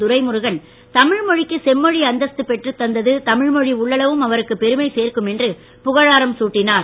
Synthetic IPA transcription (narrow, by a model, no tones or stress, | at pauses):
ʊɾɐɪmʊɾʊɣɐn | t̪ɐmɪɻmɔɻɪkːɯsɛmːɔɻiɐnd̪ɐst̪ɯpɛʈrɯt̪ːɐnd̪ɐðɯt̪ɐmɪɻmɔɻiʊɭːɐlɐʋɯmɐʋɐɾɯkːɯpːɛɾɯmɐɪseːrkɯmɛndrɯ | pʊɣɐɻaːɾɐmsuːʈːɪnaːɾ